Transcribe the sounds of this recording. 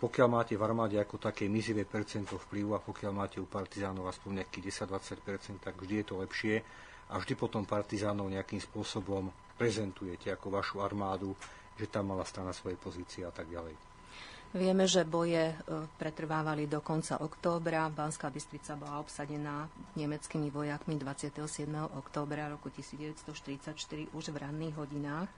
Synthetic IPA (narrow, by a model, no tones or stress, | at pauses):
pɔkɪalmaːcɛvaɾmaːɟɛakɔt̪akɛːmiziʋɛːpɛɾt͡sɛnt̪ɔfpliʊapɔkɪalmaːcɛupaɾt̪izaːnɔʊaspɔɲɲɛakiːɟɛsaɟd̪ʋat͡sacpɛɾt͡sɛnt̪̚t̪ːaɡvʒd̪ijɛt̪ɔlɛpʃɪɛ | ʔavʒd̪ipɔt̪ɔmpaɾt̪izaːnɔʊɲɛakimspʊɔsɔbɔm | pɾɛzɛnt̪ujɛcɛakɔʋaʃuaɾmaːd̪u | ʒɛt̪amːalast̪ɾanasʋɔjɛjpɔziːt͡siɛat̪aɡɟalɛj | ʋɪɛmɛʒɛbɔjɛpɾɛt̪r̩ʋaːʋalid̪ɔkɔnt͡sa̰ʔɔkt̪ɔːbɾabanskaːbist̪ɾit͡sabɔlaɔpsaɟɛnaːɲɛmɛt͡skimiʋɔjakmid̪ʋat͡sɪat̪ɛɦɔsɪɛd̪mɛɦɔʔɔkt̪ɔːbɾaɾɔkucisiːd͡zɟɛʋɛtst̪ɔʃt̪iɾit͡sacʃt̪iɾiʔuʒvɾanːiːɣɦɔɟinaːx